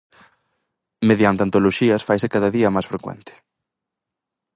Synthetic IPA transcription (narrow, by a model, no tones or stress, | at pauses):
meðjant̪ɪant̪oloʃiɐsfajsɪkaðɐðiɐmajsfɾekwɛ̰nt̪ɪ̥